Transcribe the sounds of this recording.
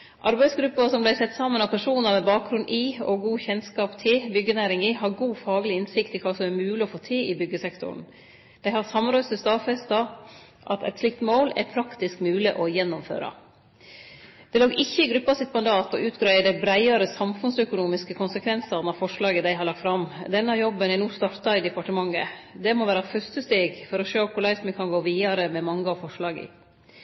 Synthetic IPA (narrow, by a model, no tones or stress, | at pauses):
ʔɑɾbæɪsɡɾʉpːəsɔmblæɪsɛt̪ːsɑmːənɑpʰæʂuːnəɾmɛbɑːkɾʉnd̪ʔɪɔɡuːçɛnskɑːpt̪ʰɪbʏɡːənæːɾɪŋɪɦɑɾɡuːfɑːɡəlɪɪnsɪkt̪ɪlkʰɑːsɔmæɾmʉːlɪɔfoːt̪ʰeːɪbʏɡːəsɛkt̪ʰʊ̰ɾn | d̪̥æɪhɑɾsɑmnɾœʏst̪ɪst̪ɑːfɛst̪ɑ | ʔɑt̪ɛ̰t̪slɪk̚t̪moːlɛ̰ɾpʰɾɑkt̪ɪskmʉːlɪʔɔjɛnːʊmfø̰ːɾɑ̰ | d̪̥ɛloːɡɪçːəɪɡɾʉpːɑsɪt̪mɑnd̪ɑːt̪ɔʔʉːt̪ɡɾæɪəd̪æɪbɾæɪɑɾəsɑmfʉnsœkʊnuːmɪskəkʰʊnsəkʰʋɛnsɑɾnɑʋfɔʂɭɑːɡəd̪æɪɦɑɾlɑk̚t̪fɾɑmd̪ɛnːɑjɔbːənænuːst̪ɑɾt̪ɑɪd̪ɛpɑʈəmɑŋːə̰d̪ɛmɔʋæːɾɑfœst̪əst̪eːɡfɔɾɔʃøːkʰʊɾlæɪsməkʰɑnɡoːʋiːɑɾəmɛmɑŋːəɑʋfɔʂɭɑːɡə̰